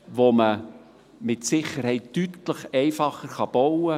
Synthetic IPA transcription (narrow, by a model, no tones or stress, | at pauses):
ʋomə | mɪtsɪχəɾhɛɪttytləχɛɪfɑχəɾχɑb̥ɔwə